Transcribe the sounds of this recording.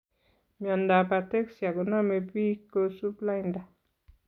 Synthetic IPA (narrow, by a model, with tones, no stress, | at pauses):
mi˨a˨nda˨pa˨te˦ksja˨ɡə˨na˦me˨pi˦kə˧˦su˦pla˦jnda˨